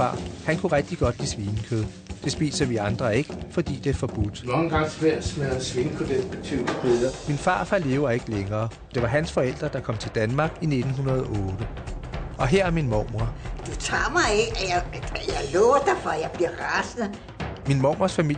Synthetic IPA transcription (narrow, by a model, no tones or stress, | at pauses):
ɑ̰̈ːhænkʰuʁɛɡ̥̚d̥iɡ̥ɒ̽d̥lḭːsʋiːnəkʰøð̞̩ˠ | d̥e̝sb̥ḭːsɐʋiɑ̈nd̥ʁɐe̝ɡ̥əfɒ̽d̥ḭːd̥e̝fɒ̽b̥ud̥nɒŋɡ̥ɑ̈ŋ̰sʰʋeɐ̰smelsʋiːnəkʰod̥elb̥et͡sʰyːnəkʰeðˠɐminfɑ̰̈ːfæle̝ːʊɐe̝ɡ̥əleŋɐː | d̥e̝ʋɑ̈ɦænsfɒ̽el̰d̥ʁɐd̥ɑ̈kʰɒ̽m̰t͡sʰe̝ld̥ænmɑ̈ːɡ̥ine̝d̥n̩ɦunɐð̞ˠɒʔɔːɾ̥ə | ʔɒ̽ɦeɐ̰æɐminmɒʊmɐd̥ut͡sʰɑ̰̈ːmɑ̈ɪeɡjajaɪlɔːɐd̥afɒjɑ̈ɪb̥liɐ̰ʁasð̩ | minmɒʊ̰mɐsfæmil̰